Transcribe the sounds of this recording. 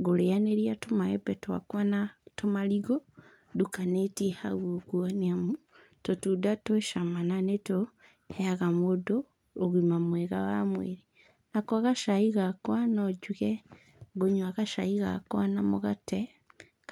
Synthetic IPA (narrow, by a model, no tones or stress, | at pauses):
ɡolejaneɾiatomaebetoa̰kwanatomaliɡo | dukanetiha̰ɣokuonamu | totudatoʃamananeto | heaɣamodoː | ɣwimamweɣawa̰mwḛɾi | nakoaɣaʃaiɣakwanoɟuɣe | ɡoɲwaɣaʃaiɣa̰kwanamoɣate